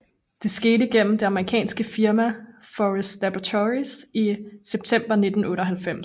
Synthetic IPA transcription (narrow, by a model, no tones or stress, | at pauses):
d̥e̝sɡ̥e̝ːɾəiɡ̥en̰m̩d̥e̝ɑ̈məʁikʰɛ̰ːnsɡ̥əfiɐmæ | fɒʁɛsd̥læb̥ʁɐt͡sʰɒʁisiseb̥̚t͡sʰem̰b̥ɐne̝d̥n̩ɔ̽ːɾ̥ɒɦælfem̰s